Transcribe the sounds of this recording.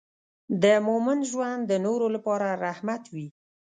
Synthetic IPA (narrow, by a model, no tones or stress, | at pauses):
d̪əmʊmand̪ʒwand̪d̪ənoɾolapɑɾaɾahmat̪wi